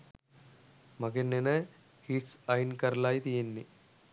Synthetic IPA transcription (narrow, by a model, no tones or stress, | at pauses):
mɐɡenːenɐ | hiːʈsɐjnkɐɾlaːjit̪ijɐnːi